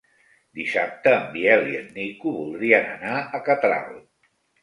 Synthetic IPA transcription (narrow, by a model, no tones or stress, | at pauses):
d̪isap̚t̪əːmbiɛliənːikuβulˠd̪ɾiənə̰naəkət̪ɾa̰lˠ